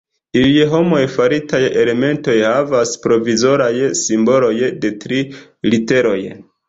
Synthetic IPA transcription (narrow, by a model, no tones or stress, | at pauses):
iliɦo̞mo̞jfaɾitaje̞le̞me̞nto̞jhavaspɾo̞vizo̞ɾajsimbo̞lo̞jde̞tɾi | lite̞ɾo̞j